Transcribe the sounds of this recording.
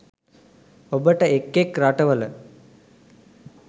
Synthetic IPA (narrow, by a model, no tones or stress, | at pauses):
obəʈəekːekɾaʈəʋələ